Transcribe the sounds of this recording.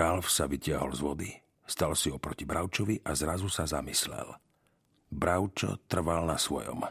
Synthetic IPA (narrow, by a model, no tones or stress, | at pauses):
alfsaʋicɪaɦɔlzʋɔd̪i | st̪alsiɔpɾɔcibɾaʊt͡ʃɔʋiʔazɾazusazamislɛ̰l | bɾaʊt͡ʃɔ̰t̪r̩ʋalnasʋɔjɔ̰m